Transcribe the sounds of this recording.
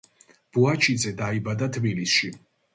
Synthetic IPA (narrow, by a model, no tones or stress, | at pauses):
b̥uat͡ʃʰid̪zɛd̪aibad̪at̪ʰbilisʃi